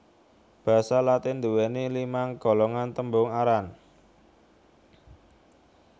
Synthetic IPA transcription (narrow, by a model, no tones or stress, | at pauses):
b̥a̤salat̪ɪnd̪uwɛnelimaŋɡ̥ɔ̤lɔŋant̪əmbʊŋaɾan